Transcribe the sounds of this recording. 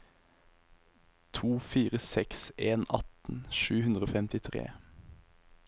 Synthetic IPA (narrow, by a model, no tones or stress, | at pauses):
t̪ʰuːfiːʁəsɛkseːnɑt̪n̩ʃʉːhʉnd̪ʁəoːfɛmt̪ɪt̪ʰʁḛː